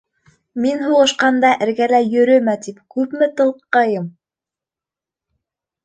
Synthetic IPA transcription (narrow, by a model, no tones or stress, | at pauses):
minɦuʁɤ̆ʃqɑnd̪ɑʔɘ̆ɾɡælæjɵ̆ɾɵmæt̪ipkʉpmɘt̪ɤ̆lˠqːɑjɤm